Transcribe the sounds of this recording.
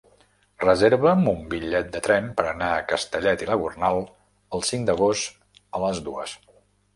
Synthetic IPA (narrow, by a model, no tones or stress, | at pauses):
rəzeɾβəmumbiʎɛt̪̚d̪ət̪ɾɛmpəɾənaəkəst̪əʎɛt̪iləɣurnalˠ | əlˠsiŋd̪əɣ̞ost̪ | ələzðuəs